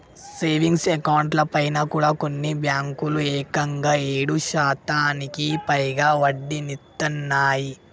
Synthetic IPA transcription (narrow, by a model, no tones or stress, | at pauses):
seːʋiŋɡsekɐwɳʈlɐpɐjnɐkuːɽaːkonːibjaːŋkulueːkɐŋɡaːeːɽuʃaːt̪aːnikipɐjɡaːʋɐɖːinit̪ːɐnːaːji